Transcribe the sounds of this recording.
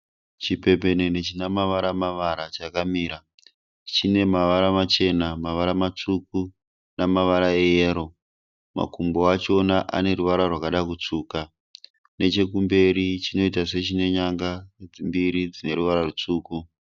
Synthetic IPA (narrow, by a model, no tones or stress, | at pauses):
t͡ʃipe̞pe̞nenet͡ʃinamaʋaɾamaʋaɾat͡ʃakamiːɾa | t͡ʃine̞maʋaɾamat͡ʃe̞namaʋaɾamat͡suk̚u | namaʋaɾaejeːɾo̞ | ma̰kumboat͡ʃo̞naʔa̰ne̞ɾuʋaɾarwakaɗak̬ut͡suːka | ne̞t͡ʃe̞kumbe̞ɾit͡ʃino̞itase̞t͡ʃine̞ɲaŋɡad͡zimbiɾid͡zine̞ɾuʋaɾarut͡suːku